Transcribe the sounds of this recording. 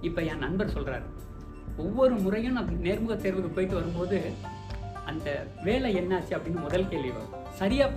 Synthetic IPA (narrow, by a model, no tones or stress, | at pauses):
ɪpːɐnãːnɐnbɐɾsɔlra̰ːɾ | ɔʋːɔɾɯmʊrɐjɯ̃nneːɾmɯɣɐt̪ːeːɾʋɯɣɯpːoːjɪʈ̪ːɯʋɐɾɯmpoːðɯ | ɐnd̪ɐ | ʋeːɭɐɛnːaːt͡ʃːiɐpːɐɽɪnːɯmʊðɐlkeːlʋɪʋo̰ː | sɐɾɪjaː